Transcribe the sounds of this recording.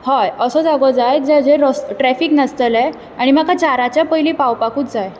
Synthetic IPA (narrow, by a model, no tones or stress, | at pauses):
hajəsɔd͡zaɡɔd͡zaj̪̚d͡ʑad͡ʑeɾɔsʈɾɛfiːknəst̪əlɛ | aɽ̃imakat͡ɕaɾat͡ɕjapəjlipawpakuːt͡sd͡zaj